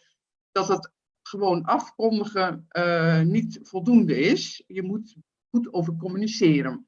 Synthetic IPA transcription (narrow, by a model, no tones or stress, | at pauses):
d̥ɑtət | χəʋoːnɑfkɔndəχə | nitfɔlˠdundəɪsjəmut | χutowvərkɔmynisɪːɾən